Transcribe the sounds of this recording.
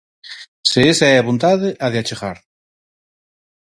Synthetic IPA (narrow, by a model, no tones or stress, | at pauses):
seesaɛaβont̪aðeʔaðeat͡ʃeɣaɾ